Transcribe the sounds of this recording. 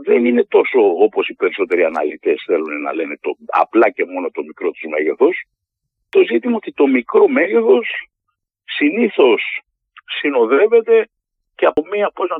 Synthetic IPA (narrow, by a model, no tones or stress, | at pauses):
ðenine̞t̪o̞so̞opo̞sipe̞ɾiso̞t̪e̞ɾiɐnɐ̰lit̪e̞sθe̞lunenɐ̰le̞ne̞t̪oɐ̰plɐce̞mo̞no̞t̪o̞mikɾo̞t̪uzme̞ʝeθo̞s | t̪o̞zit̪imɐo̞t̪it̪o̞mikɾo̞me̞ʝe̞θo̞sː | iniθo̞sː | ino̞ðe̞ve̞t̪e̞ | ceɐpomiɐpoznɐ